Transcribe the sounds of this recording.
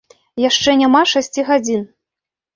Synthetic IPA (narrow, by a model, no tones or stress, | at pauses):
jaʂt͡ʂɛnʲamaʂasʲt͡sʲiɣad͡zʲin